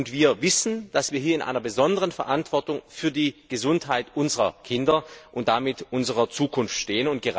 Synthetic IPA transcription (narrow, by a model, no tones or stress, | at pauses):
ntv̥iːɐvɪsn̩d̥asv̥iːɐɦiːɐɪnʔa̰ɪnɐbəzɔndəʁənfɛɐʔantv̥ɔɐtʊŋfyːɐdiːɡ̥əzʊntɦaɪtʔʊnzəʁɐkʰɪndɐʔʊnt̚d̥amɪtʔʊnzəʁɐt͡suːkʰʊnftʃteːənʊnt̚ɡ̥əʁ